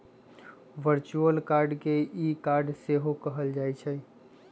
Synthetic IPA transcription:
ʋəɾt͡ʃuəlkaɾɖkeikaɾɖseɦokəɦəld͡ʒajt͡ʃʰɛ

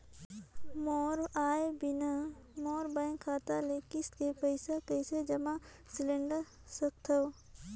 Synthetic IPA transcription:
mɔːɾaːebɪnamɔːɾbãːɪ̃ŋkʰːaːt̪alekɪskepəɪsakəɪsed͡ʒɐmã | sɪlẽɳɖə | sək̚t̪ʰɐw

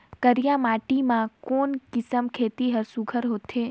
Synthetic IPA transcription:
kəɾjãːmaːʈimãkoːnkɪsəmkʰeːt̪iɦəɾsʊɡʱəɾɦoːt̪ʰeː

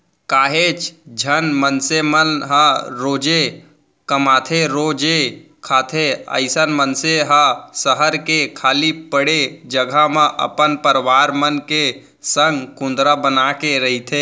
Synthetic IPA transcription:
kaːɦet͡ʃd͡ʒʱənmənsemənɦəɾoːd͡ʒe | kəmaːt̪ʰeɾoːd͡ʒe | kʰaːt̪ʰeə̰ɪsənmənseɦasəɦəɾkekʰaːlipəɽed͡ʒəɡʱamẽʔə̰pənpəɾʋaːɾmənke | sə̃ŋɡkʊ̃nd̪ɾabənakeɾəɦit̪ʰeː

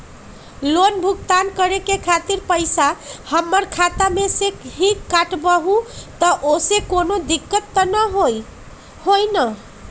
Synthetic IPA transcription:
lonbʱuk̚t̪ankəɾekekʰat̪iɾpəjsahəmːəɾkʰat̪ameseɦikkːaʈbəɦũt̪əʔosekonod̪ikːət̪ːənəɦoj | hojnə

